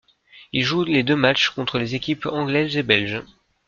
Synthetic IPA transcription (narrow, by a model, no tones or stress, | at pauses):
ilʒuled̪ømat͡ʃkɔ̃t̪χəlezekʲipɑ̃ɡlɛzebɛlʒ